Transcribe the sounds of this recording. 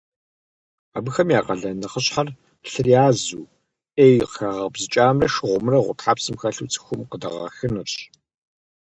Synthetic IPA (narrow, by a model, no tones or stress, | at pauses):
aːbɨxɐmjaːqʼɐɮɐnɐχəɕħar | ɬɨrjaːzuː | eːjqxaːʁɐbzɨt͡ʃʼaːmrɐʃɨʁʷʊmrɐʁʷʊ̰tħaːpsɨmxɐɬuːt͡sʰɨ̥xʷʊmqədɐ̰ʁɐ̰xɨnɨrɕ